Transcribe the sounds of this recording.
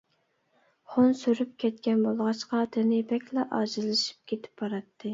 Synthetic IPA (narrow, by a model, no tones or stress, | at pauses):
χonsyɾyp̚kʲʰɛt̪kʲɛnbolˠʁɑʃqɑt̪ʰɪnɪbɛkʲlɛʔɑd͡ʒɨlˠɨʃi̥p̚kʲʰet̪ʰɪ̥p̚bɑɾɑt̪ʰːɨ